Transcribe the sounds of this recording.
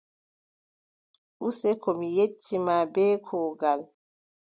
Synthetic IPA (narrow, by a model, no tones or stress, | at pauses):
ʔusɛkɔmijetʰːimaːbɛːkʰɔːɡal